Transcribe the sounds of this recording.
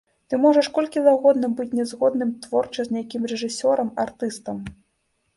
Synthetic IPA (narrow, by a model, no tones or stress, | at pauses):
t̪ɨmɔʐɐʂkɔlʲkʲivaɣɔd̪nɨmbɨt͡sʲnʲɛzɣɔd̪nɨmt̪vɔrt͡ʂɐzʲnʲajakʲimrɛʐɨsʲɔɾɐmart̪ɨst̪ɐm